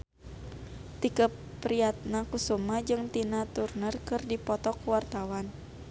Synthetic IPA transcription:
t̪ikə | pɾiat̪̚nakusumad͡ʒɨŋt̪inat̪urnərkɨrdipɔt̪ɔkuwart̪awan

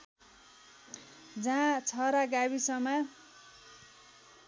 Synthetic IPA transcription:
d͡zaãt͡sʰʌɾaɡaβisʌma

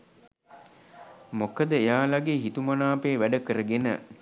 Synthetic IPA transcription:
mokəd̪əejaːlaɡeːɦit̪umanaːpeːʋæɖəkəɾəɡenə̰

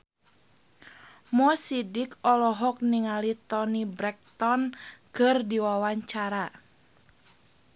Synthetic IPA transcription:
mɔsidɪkɔlɔɦɔk̚niŋalit̪ɔnibɾɛk̚t̪ɔnkɨrdiwawaɲt͡ʃaɾa

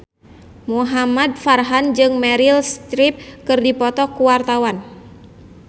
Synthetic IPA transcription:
muɦamad̚farɦand͡ʒɨŋmɛɾilst̪ɾip̚kɨrdipɔt̪ɔkuwart̪awan

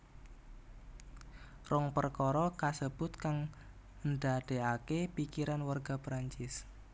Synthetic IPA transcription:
rɔŋpərkɔɾɔkasəb̥ʊt̪kaŋ | ənɖaɖ̥e̤akepikiɾanwarɡ̥a̤pɾaɲt͡ʃɪs

